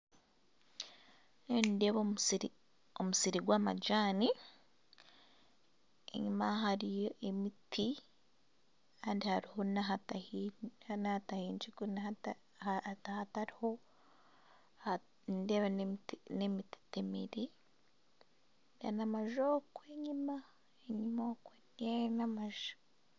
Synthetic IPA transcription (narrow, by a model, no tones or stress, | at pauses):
endeβosiɾi | omusiɾiɡwaːma̰ɟaːni | ḛɲumaɦaɾijoʔe̞miti | kaːndihaɾiho̞naɦata | nahtahiːɲd͡ʒikuna | tahataɾiho̞ | a | ndeβennemiti̥temḛɾe | da̰namaʒokweɲima | eɲimokwe | enamaʒḁ